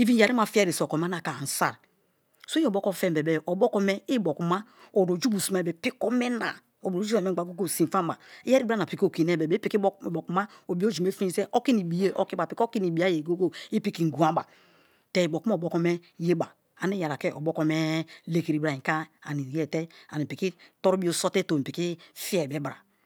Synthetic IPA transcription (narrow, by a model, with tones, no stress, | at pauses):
i˦vi˦a˨ɾi˦ma˨fi˦ɾi˨so˨ko˨m˦a˦na˨ka˨n̩˨sa̰˦˨ɾ | so˦o˨bo˦kɔ˦˨fɛ˦˨bɛ˨bɛ˨ʔɔ˨bɔ˦kɔ˦mɛ˦i˦bo˨ku˨ma˦o˨ɾo˨d͡ʒu˦bu˨si˨ma˨bɛ˨pi˦kɔ˦mɛ˦na̰˨ | o˨bo˨˦d͡ʒu˦a˨me˦˨ɡ͡ba˨ɡo˦ɡo˦˨si˨fa˦m˦ba˨i˦ɛ˦ɾi˦a˦na˨pi˨ko˦˨ki˨ne˦˨bɛ˨be˦i˦ki˦˨bo˨ku˨ma˦o˨bi˦o˦d͡ʒu˨me˦fi˦i˦ze˦ʔo˦ki˦ni˨bi˨˦e˦ʔo˦ki˦ba˨pi˨ko˦ki˦ni˨bi˨a˦je˨ɡo˦ɡo˦i˦pi˦ki˨ŋ̩˨ɡu˨a˦ba˨ | te˦i˨bo˨ku˦m˦˨bo˦ko˦me˦je˦ba˨ | a˨ni˦ja˨ɾa˨ke˦o˨bo˦ko˦me˦le˨ki˨ɾi˨bɾa˨i˨ka˦a̰˨ni˨je˦˨te˦a̰˨ni˨pi˨ki˦to˦ɾu˦bi˦o˦so˦te˦to˨m˨pi˨ki˦fi˦ɛ˨be˨˦bɾa̰˨